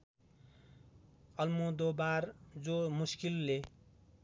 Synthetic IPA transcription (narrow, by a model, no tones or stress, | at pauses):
ʌlmod̪obaɾd͡zomuskilːe